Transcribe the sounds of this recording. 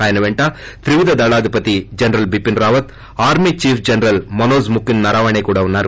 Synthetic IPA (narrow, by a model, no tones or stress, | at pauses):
aːjɐnɐʋeɳʈaːt̪ɪɾɪʋɪðɐd̪ɐlaːðɯpɐt̪ːid͡ʒɐnɐɾɐlbɪpːɪnɾaːʋɐt̪ | aːɾmit͡ʃiːfd͡ʒɐnɐɾɐlmɐnoːsmʊkːɪnnɐɾaːʋɐɳɐɪkːuːɽɐʋɯnaːɾ